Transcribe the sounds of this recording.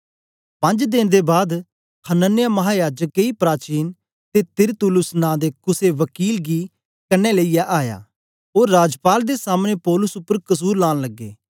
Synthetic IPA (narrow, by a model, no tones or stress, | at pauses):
pɐ̃ɲd͡ʒd̪ɪnd̪ebaːd̪ | kʰənənɪjamɐɦaːjaːd͡ʒəkːeipɾaːt͡ʃiːn | t̪et̪ɪɾt̪ʊlʊsnãːd̪ekʊseʋəkiːlɡi | kɐneleijaʔaːja̰ː | oːɾːaːd͡ʒpaːld̪esaːmñẽpɔːlʊsʊpːəɾkɐs̬uːɾlaːñləɡːḛː